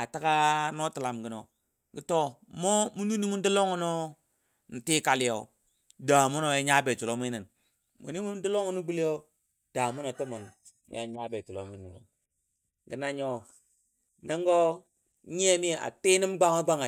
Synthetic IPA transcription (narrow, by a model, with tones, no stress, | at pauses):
a˨ta˦ka˦no˦ti˨la˨mɡi˨no̰˨ | ɡi˨˦to˦mo˦mu˦nu˦ni˦mu˦n˦di˦lo˦ŋu˦no˦ | ni˨ti˦ka˨li˦jo̰˨ | da˨mu˦no˨ja˦ɲa˦be˨tu˨lo˦mi˦ni˨n | mṵ˨ni˦mu˦di˦lo˦ŋu˦nu˦ɡ͡bi˦li˦jo˦ | d̥a˨mu˦no˨to˦mu˨n̰˦ | ja̰˨ɲa˦be˨tu˨lo˦mi˦ni˨n̰˨ | ɡi˨na˦ɲo˦ | na˦ŋɡo˦ | ɲe˦mi˦˨a̰˨ti˦ni˦mɡ͡ba˦ŋa˦ɡ͡ba˦ŋa˨